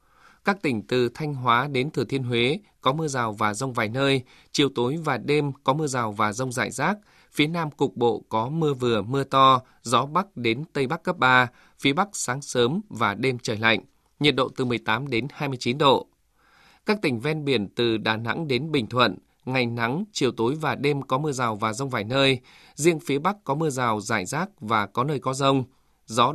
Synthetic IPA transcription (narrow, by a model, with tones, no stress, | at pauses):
kaː˦˥k̚t̪ï˧˩ŋ̟t̪ɨ˨˩t̪ʰa˧jŋ̟ɦwaː˨˦ɗe˨˦nt̪ʰɨ˧˩t̪ʰi˧ənɦwe˨˦ | kɔ˨˦mɨ˧əzaː˨˩wvaː˨˩zə˧wŋ͡mvaː˨˩jnəː˧j | t͡ɕi˨˩əwt̪o˨˦jvaː˨˩ɗe˧mkɔ˨˦mɨ˧əzaː˨˩wvaː˨˩zə˧wŋ͡mza̰ː˧˨jzaː˦˥k̚ | fi˨˦ənaː˧mkʊ˨˩k͡p̚ɓo̰˧˨kɔ˨˦mɨ˧əvɨ˨˩əmɨ˧ət̪ɔ˧ | zɔ˨˦ɓa˦˥k̚ɗe˨˦nt̪ə˧jɓa˦˥kːə˦˥p̚ɓaː˧ | fi˨˦əɓa˦˥k̚saː˨˦ŋsəː˨˦mvaː˨˩ɗe˧mt͡ɕəː˧˩jla̰˧˨jŋ̟ | ɲi˨˩ət̚ɗo̰˧˨t̪ɨ˨˩mɨ˨˩əjt̪aː˨˦mɗe˨˦nhaː˧jmɨ˧ət͡ɕi˨˦nɗo̰˧˨ | kaː˦˥k̚t̪ï˧˩ŋ̟vɛ˧nɓi˧˩ənt̪ɨ˨˩ɗaː˨˩na̰˧˥ŋɗe˨˦nɓï˨˩ŋ̟t̪ʰwə̰˧˨n | ŋa˨˩jŋna˨˦ŋt͡ɕi˨˩əwt̪o˨˦jvaː˨˩ɗe˧mkɔ˨˦mɨ˧əzaː˨˩wvaː˨˩zə˧wŋ͡mvaː˨˩jnəː˧j | zi˧əŋfi˨˦əɓa˦˥kkːɔ˨˦mɨ˧əzaː˨˩wzaː˧˩jzaː˦˥k̚vaː˨˩kɔ˨˦nəː˧jkɔ˨˦zə˧wŋ͡m | zɔ˨˦